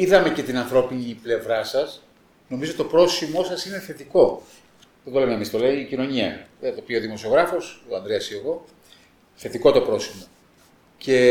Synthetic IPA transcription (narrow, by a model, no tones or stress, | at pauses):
iðɐme̞cet̪inɐnθɾo̞piniple̞vɾɐsɐs | no̞mizot̪opɾo̞simosɐsine̞θe̞t̪iko̞ | ðet̪o̞lemeːmist̪o̞lemːcino̞ɲiɐ̰et̪opio̞ðimo̞sio̞ɣɾɐfo̞soɐnd̪ɾeɐsieɣo̞ | θe̞t̪iko̞t̪opɾo̞simo̞ | ce̞